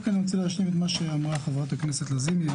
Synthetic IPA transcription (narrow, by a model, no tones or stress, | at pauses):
kanimt͡silehaʃ̬limet̪maʃeamʁaχavʁat̪akneset̪lazimi